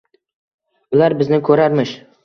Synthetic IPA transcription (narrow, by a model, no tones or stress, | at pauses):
ʊlaɾbɪznɪkʲʰɵɾaɾmɪʃ